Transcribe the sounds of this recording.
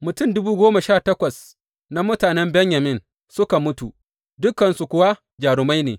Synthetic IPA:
mʊ˨tʊ˦˨ndʊ˦buː˦ɡʷoː˦ma˨ʃaː˦˨tɐ˦kʷɐ˨s | na˦mʊ˦taː˨nɛ˦mbɛ˦ɲjɐ˨mɪ˦n | sʊ˦ka˨mʊ˦tu˨ | dʊ˦kːɐ˨nsu˨kʷʊ˨wa˦ | d͡ʒaː˨ɽʊ˨ma˦jneː˨

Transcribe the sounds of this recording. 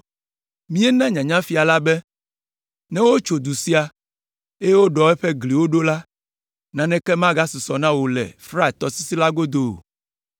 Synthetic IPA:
mĩ˦ɛ˦nã˦ɲã˨ɲã˦fi˨a˨la˦bɛ˦ | nɛ̃˦wo˦t͡ʃo˨d̪u˨si˦a˨ | e˦je˦wo˦ɖɔ˨ɛ˦ɸɛ˦ɡli˨wo˦ɖo˦la˦ | nã˨nɛ̃˦kɛ˦mã˦ɡa˦su˨sɔ˨nã˦wo˨lɛ̰˨fɾa˦˨t̪ɔ˨si˦si˦la˦ɡo˦d̪o̰˨

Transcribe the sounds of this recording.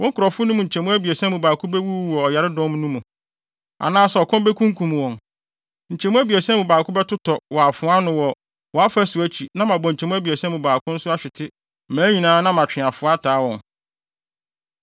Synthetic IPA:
wɔ̃˦ŋ̩˦kʊ˨ɾɔ˨fʊ˦nũ˦mũ˨ɲ̩˨t͡ɕʰɛ˨mũ˦æ˦bi˨ɛ˨sɛ̃˦mũ˨baː˨kʰʊ̃˦bɛ˦wu˦wɔ˨ɔ˨ja˨ɾɪ˦dɔ̃˦m˦nũ˦mũ˨ | a̰˨nãː˦sɛ˨ɔ˨kʰɔ̃˦m˦bɛ˦kʰũ˦ŋ˦kʰũ˨m˨wɔ̃˨n | ɲ̩˨t͡ɕʰɛ˨mũ˦æ˦bi˨ɛ˨sɛ̃˦mũ˨baː˨kʊ˦bɛ˦tʊ˦tʰɔ˨wɔ˨a˨fʊ̃˨˦a˦nʊ̃˦wɔ˨ | wɔ˨a˦fæ˦sʊ˨æ˦t͡ɕʰi˨nã˦mã˨bɔ̃˨ɲ̩ʰ˨ɛ˨mũ˦æ˦bi˨ɛ˨sɛ̃˦mũ˨baː˨kʰʊ̃˦n̩˦sʊ˦a˦ɕᶣɪ˨tʰɪ˦˨ | mæ̃ː˨˦ɲĩ˨nãː˦nã˦mã˨t͡ɕᶣɪ̃˨a˨fʊ˦a˦tʰaː˨˦wɔ̃˨n

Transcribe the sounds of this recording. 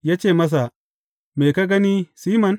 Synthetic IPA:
jaː˦t͡ʃeː˦˨mɐ˦s̬a˨ | meː˨ka˦ɡɐ˦ni˦siː˦mɐ˨n

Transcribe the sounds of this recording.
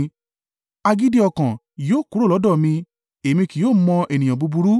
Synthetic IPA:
a˧ɡi˦di˦ɔ˧kã˨ | joː˦˨ku˨˦ɾo˦˨lɔ˨˦dɔ˦˨mĩ˧ | e˨mĩ˧ki˨joː˦˨˦mɔ̃˧ʔe˨nĩ˨j̃ã˨bu˧bu˧ɾu˦

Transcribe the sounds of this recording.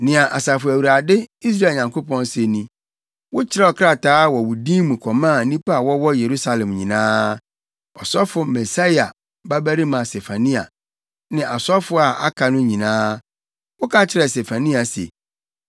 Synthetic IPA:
nɪ̃˨a˨ʔa˨sa˨fʊ˨æ˨wu˨ɾa˨dɪ˦i˦s̬ɾa˦˨ɲã˨ŋko˦pɔ̃˦n˦se˨nĩ˨ | wʊ˦t͡ɕʰɪ˦ɾɛ˦ɔ˨kʰɾa˦˨taː˦wɔ˨wʊ˨dĩ˦mũ˨kʰɔ˨mãː˦˨˦nĩ˦pa˦a˨wɔ˦wɔ˦je˨ɾu˦sa˦lɛ̃˨mɲĩ˨nãː˦ | ɔ˨sɔ˦fʊ˨mɛ˨sa˦ja˨ | ba˦bæ˦ɾi˦mã˨se˨fa˨nĩ˦a̰˨ | nɪ̃˨a˨sɔ˦fʊ˦a˨ʔa̰˦kʰa˨nʊ̃˦ɲĩ˨nãː˦ | wʊ˦kʰa˦t͡ɕʰɪ˦ɾɛ˨se˨fa˨nĩ˦a˨sḛ˨

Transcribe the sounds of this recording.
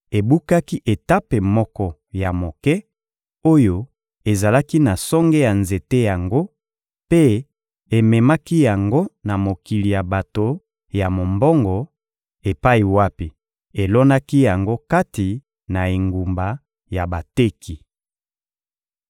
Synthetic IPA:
e˨bu˦ka˦ki˦ʔe˨ta˦pe˨mɔ˦kɔ˦ja˨mo˨kɛ˦ | o˦jo˦ | e˨za˨la˦ki˦na˨sɔ˦ŋɡɛ˦ja˨nze˨te˦ja˨ŋɡo˦ | pe˦ | e˨mɛ˨ma˦ki˦ja˨ŋɡo˦na˨mo˨ki˨li˨ja˨ba˨to˨ | ja˨mo˨mbɔ˦ŋɡɔ˨ | e˨pa˦i˨wa˦pi˨ | e˨lɔ˦na˦ki˦ja˨ŋɡo˦ka˦ti˨ | na˨e˨ŋɡu˨mba˨ | ja˨ba˨te˦ki˨

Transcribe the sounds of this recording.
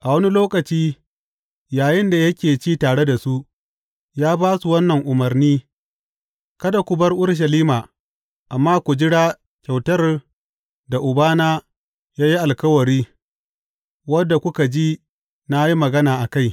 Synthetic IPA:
ʔa˨wɐ˦ni˦loː˦kɐ˨t͡ʃiː˦ | jaː˨jɪ˦nda˨jɐ˦kʲeː˨t͡ʃiː˦taː˨ɽe˦da˨su˦ʔ | jaː˦baː˦su˨wɐ˦nːɐ˨ŋʔʊ˨mɐ˨rniː˦ | kɐ˦da˨kʷʊ˨bɐ˦rʔʊ˦ɽʃ̬ɐ˨liː˦maː˨ | ʔa˨mːaː˦kʷu˨d͡ʒɪ˦ɽaː˦ | kʲa˨wtɐ˦r | da˨ʔʊ˨baː˦naː˦ | jaː˦ji˦ʔa˨lkɐ˦wɐ˨ɽiː˦ | wɐ˦dːa˨kʷʊ˦ka˨d͡ʒi˦ | na˦ji˦mɐ˨ɡɐ˦naː˨ʔa˨ka˦˨j

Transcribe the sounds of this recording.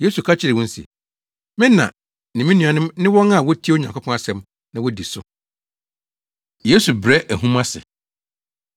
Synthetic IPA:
je˦su˨kʰa˦t͡ɕʰɪ˦ɾɪ˨wɔ̃˦n̩˦sḭ˨ | mɪ̃˦nːã̰˨ | nɪ̃˨mĩ˦nũ˨a˨nɪ̃˦mnɪ̃˦wɔ̃˦na˨wɔ˦tʰi˦o˦ɲã˨ŋkʷʊ˦pʰɔ̃˦a˦sɛ̃˦m | nã˨wɔ˦di˨sʊ˦ | je˦su˨bɾɛ˦ʔæ˨ɦũ˦mã˦sɪ̰˨

